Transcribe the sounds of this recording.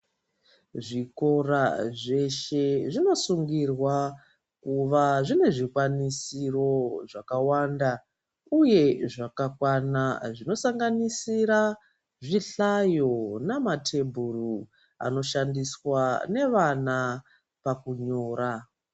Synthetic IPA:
ʐiko̞raʐe̞ʃe̞ʐino̞suŋɡirwa | kuʋaʐine̞ʐikwanisiro̞ʐakawanda | uje̞ʐakakwanaʐino̞saŋɡanisiɾa | ʐiɬajo̞namatʰe̞bʱuru | a̰no̞ʃandiswane̞ʋana | pakuɲo̞ːɾa

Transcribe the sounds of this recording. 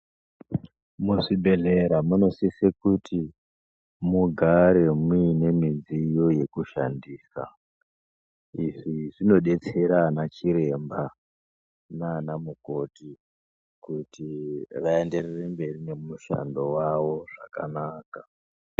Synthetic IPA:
muʂibʱe̞ɮe̞ɾamuno̞sisekuti | muɡʱaɾe̞mine̞mid͡zijo̞je̞kuʃa̰ndiːsa̰ | iʐiʐino̞ɗe̞t͡se̞ɾanat͡ʃiɾe̞mba | naːnamuko̞ti | kutiʋae̞nde̞rerembe̞rine̞muʃa̰ndo̞waʋo̞ʐaka̰naːka

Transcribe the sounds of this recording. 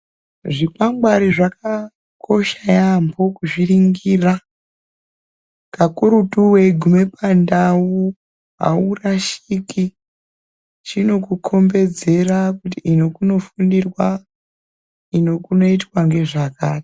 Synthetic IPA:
ʐipamɡwaɾiʐaka | kʰo̞ʃajampo̞kuʐiriŋɡira | kakuɾutuwe̞ɡʱume̞pandawu | ɦa̰uraʃiki | t͡ʃino̞kukʰo̞mbe̞d͡ze̞rakutiino̞kuno̞fundirwa | ino̞kuno̞itwaŋɡe̞ʐakaːti̥

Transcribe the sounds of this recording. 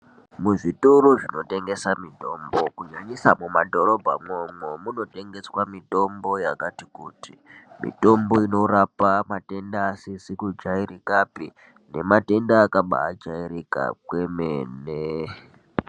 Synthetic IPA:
muʐituɾuʐino̞te̞ŋɡe̞samito̞ːmbo̞kuɲaɲisamumadʱo̞ɾo̞bʱa̰momwemuno̞te̞ŋɡe̞swamito̞mbo̞jakatikuːtimḭto̞mbo̞ino̞rapamate̞ndaːsisikud͡ʒairikapi | ne̞mate̞ndaːkaɓa̰ːd͡ʒaiɾika̰kwe̞meːne

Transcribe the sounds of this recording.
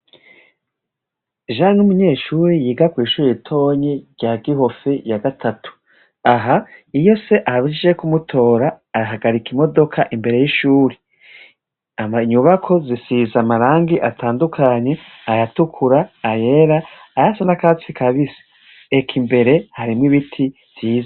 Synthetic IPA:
ʒanumuɲe̞ːʃuːɾijiːɡakwiːʃuːɾijitʰo̞ɲeɾɟ̥aːɡiɦo̞fejaɡatʰatʰu̥ | aɦaijo̞se̞ʔaaβiiʒekumutʰo̞ːɾaː | ɦaɡaɾikimo̞do̞kʰaʔimbe̞ɾe̞jiʃuːɾi | aɲuβakʰo̞zisizamaɾaːŋɡiʔatʰaːndukʰaɲe̞ | ajatukʰuɾaːje̞ɾaː | jasenakat͡sikʰaβise̥ | ekʰimbe̞ɾe̞haɾimŋiβitʰi | ziːza

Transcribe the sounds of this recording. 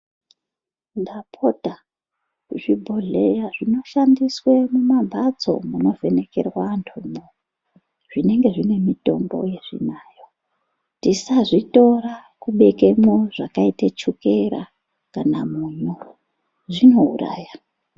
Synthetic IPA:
ndapʰo̞ta | ʐibʱoɮejaʐino̞ʃandiswe̞mumabʱat͡so̞̰muno̞ve̞ne̞ke̞̰rwaːntʰumo | ʐ̥ine̞ŋɡe̞ʐine̞mito̞̰mbo̞̰je̞ʐḭnaːjo̞ | tisaʐito̞rakuɓe̞ke̞moʐ̥akaitat͡ʃukeɾa̰ | kanamuɲu | ʐino̞ɦṵra̰ːja

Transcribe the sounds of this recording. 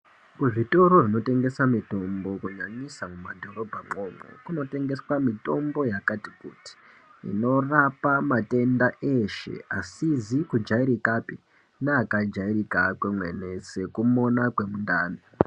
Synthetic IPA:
kuʐito̞ɾorino̞te̞ŋɡe̞samito̞mbo̞kuɲaɲisamumadʱo̞ɾo̞bʱaŋ͡ǃo̞mo̰kuno̞te̞ŋɡe̞swamito̞mbo̞jakatikṵti̥ | ḭno̞rapamate̞ndaʔeʃe̞̰asizikud͡ʒaiɾikapi | naakad͡ʒairikakwemwe̞̰nese̞kumo̞nakwe̞mundaːne

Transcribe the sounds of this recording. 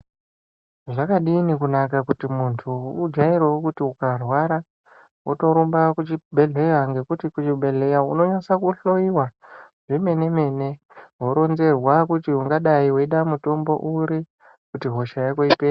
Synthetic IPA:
ʐakaɗiːnikunakakutimuntʰuːd͡ʒaiɾeokutiukarwaɾa | wʔoto̞ɾumbakut͡ʃibʱe̞ɮe̞waŋɡe̞kutikut͡ʃiɓʱe̞ɮe̞jauno̞ɲasakuɬo̞iwaʐime̞ne̞me̞ne̞ | ɦo̞ɾo̞nze̞rwakutiuŋɡaɗaiwoiɗamuto̞mbo̞̰ʔuɾi | kutiɦo̞ʃajakoipeː

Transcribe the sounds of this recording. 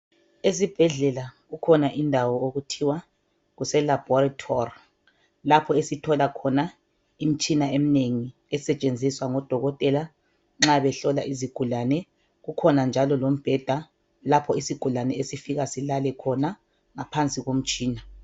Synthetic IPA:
ezib̥ʱɛɮɛlaɣukʰɔnaʔindʱawɔoɣutʰiwa | ɣusɛlab̥ɔratʰɔri | lapʰɔesitʰɔlakʰɔna | im̩t͡ʃʼinaem̩neŋi | ɛsɛt͡ʃʼend͡zʱiswaŋɔd̥ʱɔɣɔtʼɛla | ŋ͡ǁaβɛɬɔlaʔiziɡ̥ʱulanɛ | ɣukʰɔnand͡ʒʱalɔlom̩b̥ʱɛd̥ʱa | lapʰɔisiɡ̥ʱulanɛesifiɣasilalɛkʰɔna | ŋapʰant͡sʼiɣom̩t͡ʃʼiːna

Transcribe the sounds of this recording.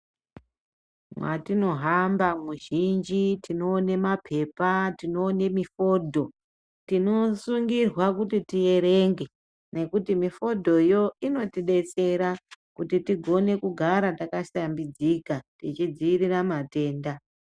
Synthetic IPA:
mwatino̞ɦambamuʒind͡ʒitino̞ːne̞mapʰe̞patino̞ːne̞mifo̞ːdʱo̞ | tino̞suŋɡirwakutitije̞ɾe̞ŋɡe̞ | ne̞kutimifo̞dʱo̞jo̞ino̞tiɗe̞t͡se̞ɾakutitiɡʱo̞ne̞kuɡʱaɾatakaʃambid͡zikatit͡ʃid͡ziiɾiramate̞ːnda

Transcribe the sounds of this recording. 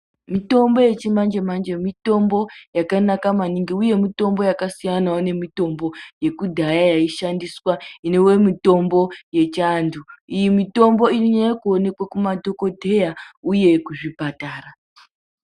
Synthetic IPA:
mito̞mbo̞je̞t͡ʃimand͡ʒemand͡ʒemito̞mbo̞jakanakamaniŋɡiuje̞mito̞mbo̞jakasijanaone̞mito̞mbo̞je̞kudʱajajaiʃandiswainewe̞mito̞mbo̞je̞t͡ʃanduijimito̞mbo̞iriɲajekuone̞kwakumadʱo̞ko̞dʱe̞jauje̞kuʐipataːra

